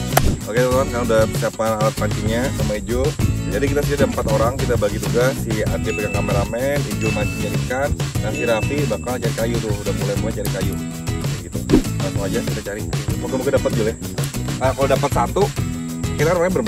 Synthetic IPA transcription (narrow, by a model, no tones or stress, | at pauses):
oket̪ɔt̪uankaaŋudasapanalat̪̚paɲt͡ʃiŋɲasamaid͡ʒud͡ʒadikit̪asidadaəmpat̪oɾaŋkit̪abaɡit̪uɡasia̰ɡipekaŋkamɛɾamɛnid͡ʒumaɲt͡ʃid͡ʒanikanːasiɾafibakalt͡ʃaɾikajut̪ʊhudahmulajpuŋat͡ʃaɾikaju | ɡit̪uakuad͡ʒakit̪at͡ʃaɾimukamukɪdapat̪̚d͡ʒulɛh | əkalodapat̪̚sant̪ukiɾaŋɾaabər